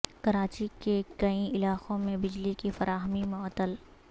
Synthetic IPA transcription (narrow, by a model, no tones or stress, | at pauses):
kɐɾaːt͡ʃikekɐĩɪlaːxõmẽbɪd͡ʒlikifɐɾaːɦəmimʊt̪ːəl